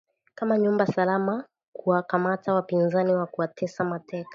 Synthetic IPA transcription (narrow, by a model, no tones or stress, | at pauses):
kamaɲumbasalama | kuwakamatawapinzaniwakuwatɛsamatɛkḁ